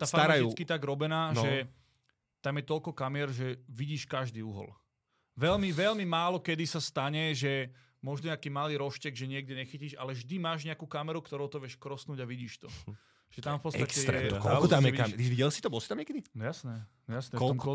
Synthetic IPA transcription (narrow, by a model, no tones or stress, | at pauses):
t̪afaaɾaj̪it͡skit̪aɡɾɔbɛnaːnʒɛ | t̪amjɛt̪ɔlkɔkamɪɛɾʒɛʋiɟiːʃkaʒd̪iːuɦɔ̰l | ʋɛlmiʋɛlmimaːlɔkɛd̪isast̪aɲɛʒɛ | mɔʒnɔakiːmaliːɾɔʃcɛɡʒɛɲɪɛɡ̚dɛɲɛxiciːʃalɛʒd̪imaːʒɲɛakuːkamɛɾukt̪ɔɾɔʊt̪ɔʋɪɛʃkɾɔsnuːɟaʋiɟiːʃt̪ɔ | ʒ̥ɛt̪amfpɔt͡sɛakscɛjtɛ̰kɔllɔt̪amɛik̪iʋiɟɛlsit̪ɔbɔlsi̥t̪amɲɛkɛd̪inɔjasnɛnjasnɛɔtɔɔmɔ